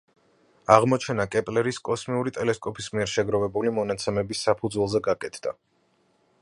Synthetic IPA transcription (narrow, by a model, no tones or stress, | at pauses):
aʁmɔt͡ʃʰɛnakʼɛpʼlɛɾiskʼɔsmiuɾit̪ʼɛlɛskʼɔpʰismiɛɾʃɛɡɾɔvɛbulimɔnat̪sʰɛmɛbisːapʰud̪zwɛlˠzɛɡakʼɛt̪ʰd̪̥a̰